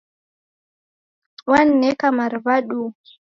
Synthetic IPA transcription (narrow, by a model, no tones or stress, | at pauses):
wanːɛkamaɾvaɗu